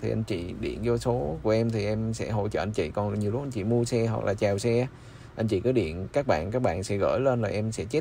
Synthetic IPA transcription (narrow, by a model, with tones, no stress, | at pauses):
t̪ʰi˨˩ʔa˧jŋ̟t͡ɕḭ˧˨ɗḭ˧˩˨ənzɔ˧so˨˦ku˧˩əʔɛ˧mt̪ʰi˨˩ʔɛ˧msɛ̰˧˥ɦo̰˧˨jt͡ɕə̰ː˧˨ʔa˧jn̟t͡ɕḭ˧˨kɔ˨˩nɲ˨˩əlʊ˦˥ʔjɲt͡ɕḭ˧˨mu˧əsɛ˧ɦa̰˨˩k̚lʔaː˨˩t͡ɕaː˨˩wsɛ˧ | ʔa˧jŋ̟t͡ɕḭ˧˨kɔː˨˦ɗḭ˧˨ənkaː˦˥k̚ɓa̰ː˧˨nkaː˦˥k̚ɓa̰ː˧˨nsɛ̰˧˥ɣə̰ː˧˥˨jleː˧nlaː˨˩ʔɛ˧msɛ̰˧˥t͡ɕe˦˥